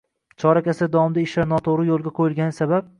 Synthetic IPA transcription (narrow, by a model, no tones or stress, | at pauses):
t͡ʃʰɒɾakʲasɪd̪ɒɒmd̪aɪʃlaɾnɒt̪ʰoɾɪjolˠɡʲaqʰojɪlˠɡʲanɪsabap̚